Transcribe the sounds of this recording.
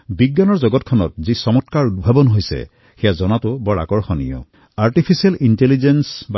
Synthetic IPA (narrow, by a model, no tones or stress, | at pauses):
biɡːanɔɹzɔɡɔtkʰɔnɔ̰t̚zisɔmɔtkaɹudbʱabɔnɦojsɛ̰ | xɛjazɔnatʊbɔɹa̰kɔɹxɔnḭjɔ̰ | aɹtipʰisialintelizensba